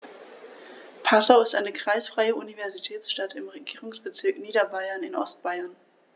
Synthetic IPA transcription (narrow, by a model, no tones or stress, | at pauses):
pʰasaʊɪstʔaɪnəkʁ̥aɪsfʁ̥aɪəunivɛɐzitʰɛːt͡sʃtatʰɪmʁeɡiːʁʊŋsb̥ət͡sɪɐkniːdɐbaɪɐnɪnʔɔ̰st̚b̥aɪɐn